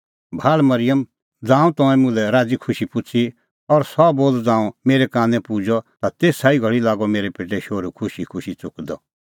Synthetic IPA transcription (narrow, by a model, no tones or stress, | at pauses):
bʱaːlmɐɾɪjəm | d͡zãːũt̪ɔ̃ɛ̃mʊ̃lɛɾaːd͡zikʰʊʃipʊt͡sʰi | ɔɾsɔboːld͡zãːũmeːɾɛkãːnɛ̃pud͡ʒɔt̪at̪eːsaːiɡʱɐɭilaːɡɔmeːɾepeːʈɛʃoːɾukʰʊʃikʰʊʃit͡sʊkd̪ɔ